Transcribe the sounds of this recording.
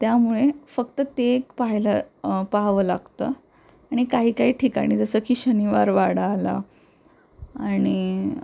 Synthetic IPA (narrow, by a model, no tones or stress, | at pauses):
t̪jamuɭefəkt̪ət̪ekpaɦjlapaɦʋəlaɡt̪ə | aɽ̃ikaɦiːkaɦiːʈʰiːka̰ɽ̃id͡zəsəːkʰiːɕəniʋaɾʋaɽaːla̰ | aɽ̃i